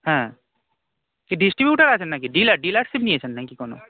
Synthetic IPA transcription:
ɦɛ̃ː | kiɖɪsʈɾibjuːʈəɾaːt͡ʃʰənːakiɖiːlaɖiːlaʈsibnĩet͡ʃʰənːãĩkikɔːno̰ː

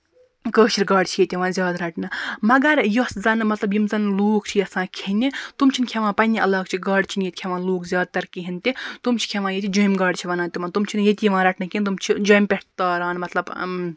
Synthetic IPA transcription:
kəːʃiɾɡaːɖt͡ʃʰijet̪ʲjiʋãːnzʲjaːd̪ɾɐʈʰnɨmɐɡɐɾjoszɐnmɐt̪lɐbjimzɐnluːk̚t͡ʃʰijɐsãːkʰinʲit̪umt͡ʃʰinkʲʰeʋãːpɐnʲiʔɐlaːk̚t͡ʃʰiɡaːɽt͡ʃʰinjet̪̚ʲkʰeʋãːnloːkzʲjaːd̪̚t̪ɐɾkiɦint̪it̪umt͡ʃʰi̥kʰeʋãːjet̪ʰʲid͡ʒujmɡaːɖt͡ʃʰiʋɐnãːt̪iʋãːt̪umt͡ʃʰinjet̪ʲijiʋãːɾɐʈnɐkʰʲint̪umt͡ʃʰid͡ʒojmʲpʲeʈt̪aːɾaːnmɐt̪lɐb

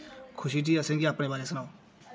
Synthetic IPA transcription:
kʰʊʃiːʈ̪ʰiːasẽːŋɡiaːpɽeːbaːɾeːsənaːoː

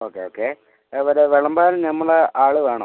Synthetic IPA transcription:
oːkːeoːkːeː | ɐʋɐɾeʋeɭɐmbaːɾnɐmːɐɭeʔaːɭuʋeːɳo

